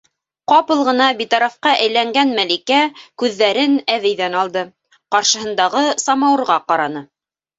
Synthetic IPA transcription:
qɑpɤ̆lˠʁɤ̆nɑbit̪ɑɾɑfqɑʔæjlæŋɡænmælikækʉðːæɾɘnæβɘ̆jðænɑlˠd̪ɤ | qɑɾʃɤ̆hɤ̆nd̪ɑʁɤsɑmɑwɤ̆ɾʁɑqɑɾɑnɤ

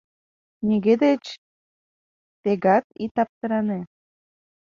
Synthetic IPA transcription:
niɣed̪et͡ɕ | t̪eɣɑt̪̚it̪ɑp̚t̪ə̆ɾɑne

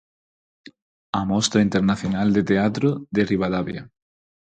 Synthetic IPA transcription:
amɔst̪ɾaint̪eɾnaθjonald̪et̪eat̪ɾoðeriβaðaβja̰

